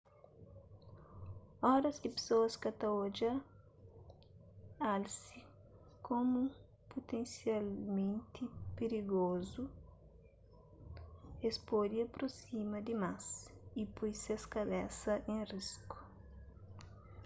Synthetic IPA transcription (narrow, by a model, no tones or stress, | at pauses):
ɔɾɐzd̪ɪpe̥soɐskɐt̪ɐod͡ʒɐ | alsi | kʰõmu | pot̪ẽnsjalmẽnt̪ipeɾiɡozu | espod̪iɐpɾosimɐd̪imasipojseskɐlɛsɐʔẽrisku̥